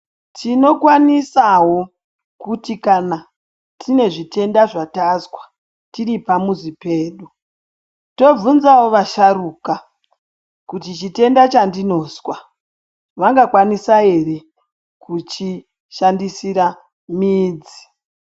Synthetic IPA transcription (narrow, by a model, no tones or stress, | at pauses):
tʰino̞kwanisaɦo̞ | kutikana | tʰine̞ʐite̞ndaʐatazwḁ | tiripamuzipe̞ːɗu | to̞vunzawo̞ʋaʃaruːka | kutit͡ʃite̞ndat͡ʃandino̞ːswa | ʋaŋɡakwanisae̞re | kut͡ʃi | ʃandisiɾa | miːd͡zi